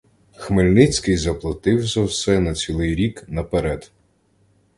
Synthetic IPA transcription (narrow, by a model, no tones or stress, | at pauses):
xmelʲnɪt͡sʲkɪjzɐplˠɐt̪ɪwzɐwsɛnɐt͡sʲilˠɪjɾʲiknɐpeɾɛd̪̥